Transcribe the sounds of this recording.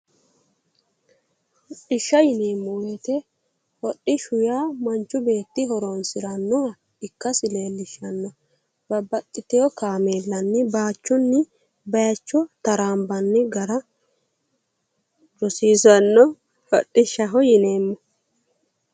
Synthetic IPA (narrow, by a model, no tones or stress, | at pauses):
hɔɗɪʃːɐjɪneːmːʊweːt̪ɛ | hɔɗɪʃʊjaːmɐnt͡ʃːʊbe̞ːt̪ːɪɦɔɾoːnsɪɾɐnːʊɐ | ɪkːɐsɪleːlːɪʃɐnːɔ | bɐbɐt̪ʼːɪt̪ɛɔkaːmeːlːɐnːɪbaːt͡ʃːʊnːɪ | bɐjɐt͡ʃːɔt̪ɐɾaːmbɐnːɪɡɐɾɐ | ɾɔsiːzɐnːɔ | hɔ̰ɗːɪʃːɐɦɔjɪneːmːɔ